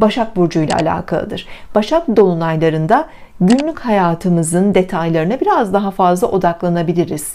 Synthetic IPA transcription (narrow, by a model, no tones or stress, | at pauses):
baʃak̚buɾd͡ʒujlʲˠa̰a̰lʲa̰ːkʰa̰lˠɯ̰d̪ɯɾ̥b̥aʃak̚d̪o̞lˠunajlˠaɾɯnd̪a | ɟynlʲychajaːt̪ʰɯmɯzɯnd̪e̞t̪ʰajlˠaɾɯnabiɾazd̪aɦafazlˠaʔo̞d̪aklˠanabilʲiɾiz̥